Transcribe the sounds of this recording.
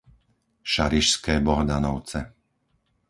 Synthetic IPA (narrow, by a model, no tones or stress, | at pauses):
ʃaɾiʃskɛːbɔɦd̪anɔʊt͡sɛ